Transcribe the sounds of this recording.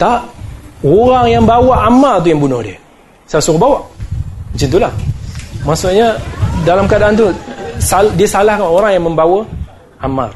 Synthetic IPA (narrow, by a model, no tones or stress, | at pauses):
t̪aʔoɾaŋjaŋbawaʔamalt̪̬ujaŋbunʊhdiə | sajasukabawaʔət͡ʃɪnt̪̬ulahmasuʔɲadalamkadaant̪̬usaldiəsalahkanoɾaŋjaŋməmbawə | ama̰r